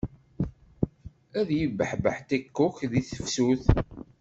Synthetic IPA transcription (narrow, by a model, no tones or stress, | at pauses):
æðjəvːəħbə̰ħt̪ækːʊçðiθə̥fsuθ